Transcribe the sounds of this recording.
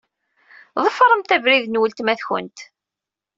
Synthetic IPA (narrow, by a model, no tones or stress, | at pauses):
ðˤəfɾˤəmt̪ævɾiðnwəlt̪mæθçə̰nt̪